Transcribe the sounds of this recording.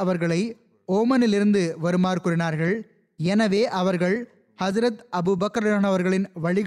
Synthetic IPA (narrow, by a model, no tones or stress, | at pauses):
ɐʋɐɾɣɐɭɐɪ | oːmɐnɪlɪɾɯnd̪ɯʋɐɾɯmaːɾkʊɾɪnaːɾɣɐɭ | ɛnɐʋeːʔɐʋɐɾɣɐɭ | hɐd͡ʒɾɐt̪ɐbɯbɐkɐɾaːnɐʋɐɾɣɐɭɪnʋɐɻɪɣ